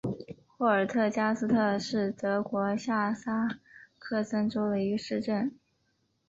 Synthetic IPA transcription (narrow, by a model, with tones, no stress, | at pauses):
xwɔ˥˩ə˞˨˩t̪ʰɤ˥˩t͡ɕja˥sɹ̩˥t̪ʰɤ˥˧ʂɻ̩˥˩t̪ɤ˧˥kwɔ˧˥ɕja˥˩sa˥kʰɤ˥˩sə˥nʈ͡ʂo˥ʊd̪ə˨i˧˥ɡə˧ʂɻ̩˥˧ʈ͡ʂə˥˩n